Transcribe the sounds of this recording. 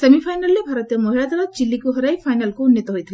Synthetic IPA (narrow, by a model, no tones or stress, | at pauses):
sɐmipʰajnalːebʱaɾɔt̪ijɔmɔɦilat̪ɐɾat͡ʃilːikuɦɔɾajpʰajnalkounːjɔt̪ɔɦojt̪ʰil